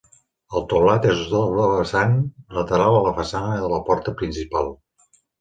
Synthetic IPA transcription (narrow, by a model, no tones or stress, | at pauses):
əlˠt̪oβlat̪ezuzðoβɾoβəsanlət̪əɾalˠələfəsanəðələpɔɾt̪əpɾinsipalˠ